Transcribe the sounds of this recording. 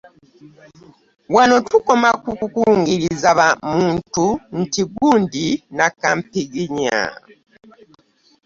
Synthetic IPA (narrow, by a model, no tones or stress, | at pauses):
wano̞tuko̞makukukuːŋɡiɾizaβamuːntun̩tiɡuːndinakampiɡiɲa̰